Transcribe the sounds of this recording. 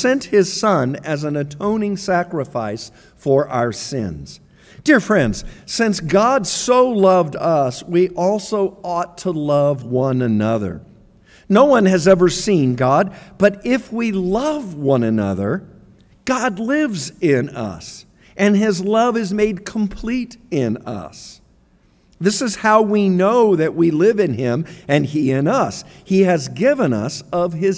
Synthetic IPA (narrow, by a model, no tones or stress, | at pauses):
sɛ̃nt̚hɪz̥sʌ̃nɨzɨ̃n̩ɨtʰõʊ̃nɪ̃ŋsækɹɨfaɪs | fə˞ʔa̰ʊə˞sɪ̰̃nz̥ | d̥ɪɹfɹɛ̃ndz̥sɪ̃nsɡ̥ɑdsoʊlʌvdʌswiʔɔlˠsoʊɔtʰəlʌvwʌ̃nɨnʌðə̰˞ | noʊwʌ̃nɨzɛvə˞sĩnɡɑd̚b̥ʌɾɪfwilʌvwʌ̃nɨnʌ̰ðə˞ | ɡ̥ɑdˡlɪvzɪ̃nʌ̰s | ʔɨ̃nɪzlʌvɨzmeɪd̚kʰm̩pʰl̥iɾɪ̃nʌ̰s | ðɪsɨz̥haʊwinoʊðɨʔ̚wilɪvɨ̃nɪ̃mɨ̃niɪ̃nʌs | hiɨzɡɪvɨ̃nʌ̰sʌv̥ɪz